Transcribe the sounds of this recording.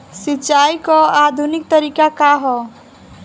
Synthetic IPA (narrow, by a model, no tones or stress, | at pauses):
sit͡ʃajkɔad̪ʱunik̚t̪əɾikakaɦɔ